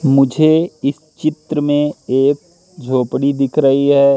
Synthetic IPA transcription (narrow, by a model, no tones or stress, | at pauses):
mʊd͡ʒʱeɪs | t͡ʃɪt̪ɾəmẽeːk̚ | d͡ʒʱoːpɽid̪ɪkʰɾɐɦiɦɛː